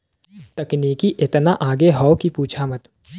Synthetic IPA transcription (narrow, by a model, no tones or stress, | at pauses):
t̪ɐkniːkiʔɪt̪naʔaːɡeɦɔːkipuːt͡ʃʰaːmət̪